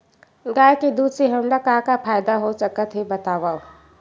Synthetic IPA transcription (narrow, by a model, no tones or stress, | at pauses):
ɡaːjkid̪uːd̪seɦəmɾakaːkapʰaːjd̪aɦosəkət̪ɦibɐt̪aːʋao